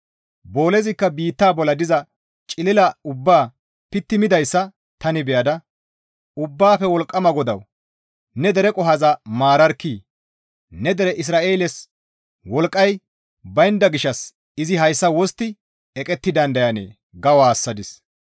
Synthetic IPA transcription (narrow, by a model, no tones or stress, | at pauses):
bo̞ːlɛzɪkːɐbiːt̪ːaːbɔlɐd̪ɪzɐ | t͡ʃʼɪlɪlɐʊbːaː | pɪt̪ːɪmɪd̪ɐjsːɐ | t̪ɐnɪbɛjɐd̪ɐ | ʊbːaːfɛwɔlkʼːɐmɐɡɔd̪ɐw | nɛd̪ɛɾɛkʼɔɦazɐmaːɾɐɾkːiː | nɛd̪ɛɾɛʔɪs̬ɾaːʔe̞ːlɛs | wɔlkʼːɐj | bɐjnd̪ɐɡɪʃɐs | ɪzɪɦɐjsːɐwɔst̪ːɪ | ɛkʼɛt̪ːɪd̪ɐnd̪ɐjɐnḛː | ɡɐwaːsːɐd̪ɪs